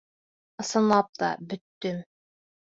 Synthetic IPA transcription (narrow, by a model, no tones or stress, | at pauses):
ɤ̆sɤ̆nlˠɑp̚t̪ɑ̰bɵ̆t̪ːɵm